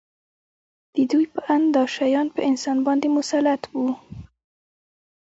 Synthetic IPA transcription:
d̪̥əd̪ujpəʔand̪ɑʃajɑnpəɪnsɑnbɑnd̪emʊsalat̪wu

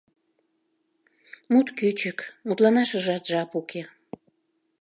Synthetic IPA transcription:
mut̪kyt͡ɕəkmut̪lɑnɑʃəʒɑt̪ʒɑpukʰe

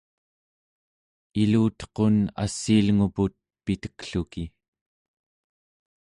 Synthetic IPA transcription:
iluːt̪qona̰sːiːlŋuput̪̚pit̪ə̥kɬuki

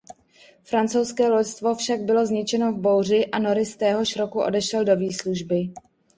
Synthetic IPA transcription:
fɾant͡sowskɛːlocst̪vo̞fʃaɡ̚bɪlo̞zɲɪt͡ʃɛno̞vbo̞wr̝ɪʔano̞ɾɪst̪ɛːɦo̞ʃɾo̞kuʔo̞̰dɛʃɛldo̞viːsluʒbɪ

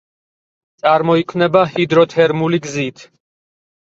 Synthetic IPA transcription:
t̪sʼaɾmɔikʰvnɛbahid̪ɾɔt̪ʰɛɾmuliɡzit̪ʰ

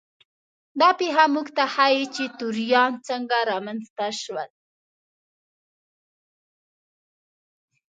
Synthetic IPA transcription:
d̪ɑpeɦamuɡt̪ahajit͡ʃet̪uɾjɑnt͡səŋɡaɾɑmanzt̪aʃwəl

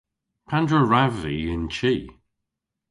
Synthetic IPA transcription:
pʰãndɹəɹaviɪ̃nt͡ʃʰiː

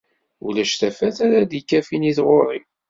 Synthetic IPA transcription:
ṵlæʃθæfæθæɾæd̪ikːæfiniθʁoɾˤim

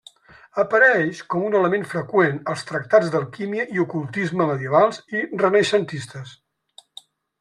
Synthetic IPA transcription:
əpəɾɛʃkɔmunələmenfɾəkwenəlˠst̪ɾək̚t̪ad͡zðəlˠkimiəʔiukulˠt̪izməməðiəβalˠsirənəʃənt̪ist̪əs

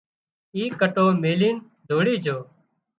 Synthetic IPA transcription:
iːkəʈoːmeːliːn | d̪ʱoːɽiːd͡ʒoː

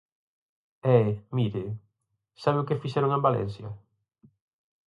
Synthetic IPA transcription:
ɛmiɾɪ | saβeʊkɪfisɛɾʊŋẽmbalɛ̰n̟sjɐ

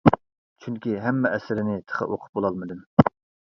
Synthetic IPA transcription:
t͡ʃʰyŋkʲiɦɛmːɛʔɛsɪɾɪnɪt̪ʰə̥χə̰ʔoqʰʊ̥p̚bolˠɑlˠmɨd̪ɨm

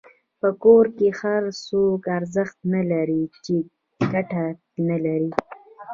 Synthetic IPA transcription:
pəkoɾkehaɾsokaɾzəxt̪nalaɾit͡ʃe | ɡaʈa | nalaɾi

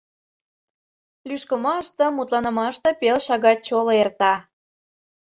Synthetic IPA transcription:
lyʃkəmɑʃt̪ə̆mut̪lɑnə̆mɑʃt̪ə̆pelʃɑɣɑt̚t͡ɕoloert̪ɑ

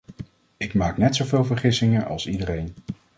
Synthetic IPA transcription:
ɪkmaːknɛtsowvɪːlˠvəɹχɪsɪŋəʔɑ̰lˠsidərejn

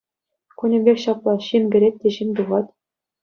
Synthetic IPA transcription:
kunʲɘ̆mʲbʲexʲɕɑplˠɑɕimʲɡʲɘ̆ɾʲet̪̚ʲːeɕimʲt̪̬uʁɑt̪ʲ

